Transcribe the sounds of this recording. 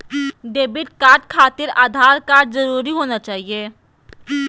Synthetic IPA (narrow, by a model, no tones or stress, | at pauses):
ɖeːbɪʈ̚kaːɾʈ̚kʰaːt̪ɪɾa̰ːd̪ʱaːɾkaːɾʈzɐɾuːɾiɦoːnat͡ʃaːɦieː